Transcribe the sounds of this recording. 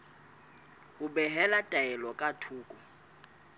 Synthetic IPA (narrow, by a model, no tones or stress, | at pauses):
ubɛɦɛlatʼaɛlɔkʼatʰuːkʼɔ